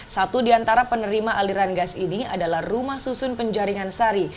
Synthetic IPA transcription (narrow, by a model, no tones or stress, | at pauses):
sat̪udiant̪aɾapənəɾimaʔaliɾanɡasinia̰dalahrumahsusʊnpəɲd͡ʒaɾiŋansaɾi